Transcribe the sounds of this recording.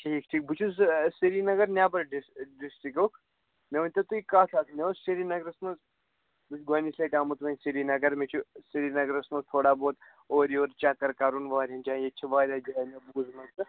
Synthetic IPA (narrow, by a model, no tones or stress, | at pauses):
ʈʰiːkʈʰiːk̚but͡ʃʰuzsiɾinɐɡɐɾnʲaːbɐɾɖisɖisʈikokʰ | neʋɐnʲt̪ɐt̪uikaːsʰaːt̪ʰneozseɾinɐɡɾɐsmɐz | but͡ʃʰuɡɐnislekaːmɐt̪ʋɐnʲsiɾinɐɡɐɾmet͡ʃʰusiɾinɐɡɾɐsmɐzt̪ʰoːɽaːboːt̪ | oːɾioːɾt͡ʃaːkɐɾkaɾunʋaːɾʲãnd͡ʒaːjet͡ʃʰiʋaːɾʲaːd͡ʒanʲɐbuːzmɐzsɨ